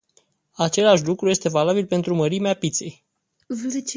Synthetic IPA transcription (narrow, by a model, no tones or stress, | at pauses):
at͡ʃe̞laʃ̬lukɾuje̞st̪e̞valabilpe̞nt̪ɾuməɾimeapit̪se̞j